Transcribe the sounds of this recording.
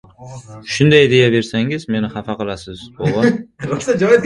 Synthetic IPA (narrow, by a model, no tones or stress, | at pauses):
ʃʊnd̪ajd̪ejave̞ɾsaŋɪzme̞nɪhɑfaqʰɨlˠasɪz̥bɒwɒɾot̪ad͡ʒɒjɪ